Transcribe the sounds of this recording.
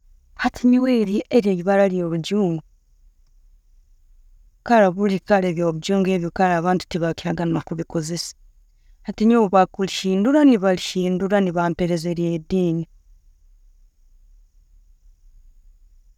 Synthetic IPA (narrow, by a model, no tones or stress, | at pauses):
hatʰiɲiweːɾiʔeɾeiβaɾalijoːβuɟuːŋɡu | kaɾaβulikaɾeβjoβuɟuːŋɡe̞βjokaɾaːβaːntu̥tiβaki̥haɡanmakuβikozese̥ | hatiɲowuβakuliʃiːnduɾaniβaliʃiːnduɾaniβaːmpeɾe̞zeɾijediːni